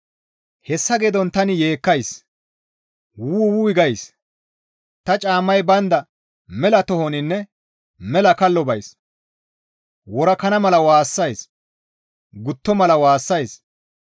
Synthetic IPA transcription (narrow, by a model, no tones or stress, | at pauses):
hɛsːɐɡed̪ɔnt̪ɐnɪje̞ːkːɐjs | wuːwuːɪɡɐjs | t̪ɐt͡ʃʼaːmːɐjbɐnd̪ɐ | mɛlɐt̪ɔhɔnɪnːɛ | mɛlɐkɐlːɔbɐjs | wɔɾɐkɐnɐmɐlɐwaːsːɐjs | ɡʊt̪ːɔmɐlɐwaːsːɐjs